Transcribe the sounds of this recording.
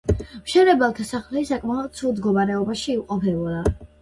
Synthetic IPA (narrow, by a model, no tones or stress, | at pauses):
mʃɛɾɛbɛlˠt̪ʰasaχlɛsakʼmaɔd̪̚t̪sʰulˠd̪ɡɔmaɾɛɔbaʃiːqʼɔpʰɛɔla